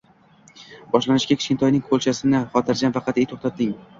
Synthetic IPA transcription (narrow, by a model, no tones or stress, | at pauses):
bɒʃlanɪʃkʲakʲʰɪ̥ʃkʲɪnt̪ʰɒjnɪŋkʰolˠt͡ʃʰasɪnɪχɒt̪ʰɪɾd͡ʒanvɑqʰɑt̪ejt̪ʰoχt̪at̪̚dɪŋ